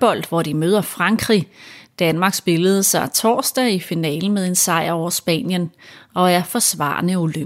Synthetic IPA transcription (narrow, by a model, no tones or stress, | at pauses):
b̥ɒ̽l̰d̥ʋɒd̥imøːð̞ˠɐfʁɑ̈ŋɡ̥ʁḭd̥ænmɑ̈ɡ̥sb̥e̝ləð̞̩ˠsɑ̈ɪt͡sʰɒ̰ːsd̥ɛifinɛ̰ːln̩meðˠe̝nsɑ̈ɪ̰ɐɒʊ̰ɐsb̥ɛ̰ːnjənɒ̽æɐfɒ̽sʋɑ̰̈ːnəulø